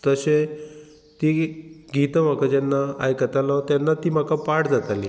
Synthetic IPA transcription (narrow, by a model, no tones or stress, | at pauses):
t̪əɕe | t̪iːɡʱit̪əm̤akad͡ʑɛnːaa̰jkət̪alɔ̃t̪janːat̪iːm̤akapaɽd͡zat̪alḭ